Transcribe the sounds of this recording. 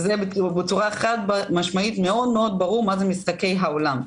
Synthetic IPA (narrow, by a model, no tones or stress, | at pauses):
zebbet͡suʁaeχat̪bmaʃmait̪meo̞d̪meo̞d̪̚baʁuʁmazemist̪ake̞jɦaolam